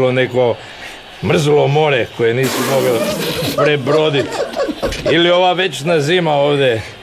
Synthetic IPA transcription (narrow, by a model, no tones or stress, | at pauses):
loneko̞ | mr̩zulomo̞ɾeko̞jeniːsumo̞ɡepɾe̞bɾod̪it̪ | ilio̞ʋaʋet͡ʃnaziːmaoːʋd̪e